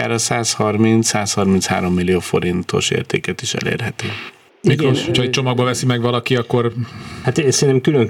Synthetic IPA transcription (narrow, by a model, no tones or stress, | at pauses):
a̰ːɾɒsaːshɒrmint̪ssaːshɒrminsha̰ːɾo̞mːilːijoːfo̞̰ɾint̪o̞̰ʃḛːrt̪ḛːkɛt̪iʃɛ̰lḛːrɦɛt̪øː | mikɾoʃhocʰhɒɛt͡ʃomɒɡ̚bɒvɛsimɛɡʋɒlɒkiɒkːo̞rhat̪sɛnt̪ɛmkyløŋ